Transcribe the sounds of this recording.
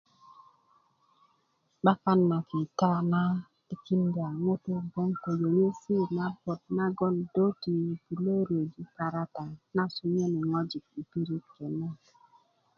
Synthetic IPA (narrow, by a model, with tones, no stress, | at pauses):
ɓa˦ka˦nma˨ki˨ta˦a˦na˦ | ti˦ki˦nda˨ŋo˦to˦ɡo˦ŋko˨jo˨ɲe˦si˦˨na˦bo˨t̚na˦ɡɔ˦ndo˦ti˨bi˨le˦ɾo˨d͡ʒi˦pa˨ɾa˦ta˨na˦su˦ɲ˦e˦ne˨ŋɔ˦d͡ʒi˨k̚i˨pi˦ɾi˦t̚ke˨na˦